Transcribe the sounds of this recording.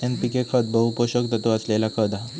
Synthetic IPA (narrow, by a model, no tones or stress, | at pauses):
ẽnp̪ikekʰəd̪̚bʱəupoɕəkt̪ət̪oəslelakʰəd̪a